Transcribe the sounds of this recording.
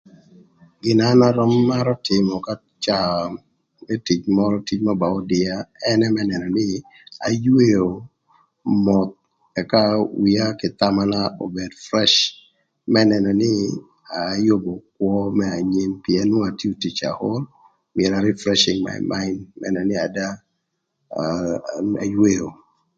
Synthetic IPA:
ɡɪ˨nana˦ɾɔ˦mːa˦ɾɔ˦tɪ˨mɔ˨ka˦ | t͡ʃa˨ | mɛ˦ti˨t͡ʃmɔ˦ɾɔ˦ti˦t͡ʃma˦ba˨ɔ˦dɪ˨a˦ɛ˦nɛ˦mɛ˦nɛ˨nɔ˨nɪ˦ | a̰˨jwe˦o˨ | mɔ˨t̪̚ | ɛ˨ka˦wi˨a˦kɪ˨t̪a˦ma˦nao˨be˨dfɾɛ˦ʃ | mɛ˦nɛ˨nɔ˨nɪ˦ | a˨jo˦bo˨k̚wɔ˦mɛ˦a˨ɲe˦mpi˨ɛ˦no˦a˨ti˦o˨ti˨t͡ʃa̰˨ho˦l | mɪ˨ɛ˨ɾa˨ɾi˦fɾɛ˦ʃɪ˨ŋma̰jma˦ɪndmɛ̰nɛ˨nɪ˦a˨da˦ | a̰˨jwe˦o˨

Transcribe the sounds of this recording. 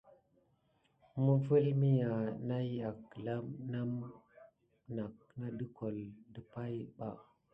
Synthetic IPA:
mə˦və˦lmi˦ja˨na˦ja˨kla˦mna˦m | na˨k̚ | na˦də˦ko˨ldə˨pa˦jɓa˨

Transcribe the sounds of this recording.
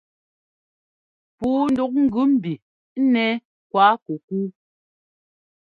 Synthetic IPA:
puː˨˦n̩˦du˦k̚ŋ̩˦ɡʉ˦m̩˨bi˨˦ | nɛ˦ | kwa˨˦ku˨kuː˦

